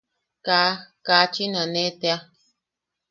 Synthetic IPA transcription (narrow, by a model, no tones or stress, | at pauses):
kaːkaːt͡ʃinãnet̪ea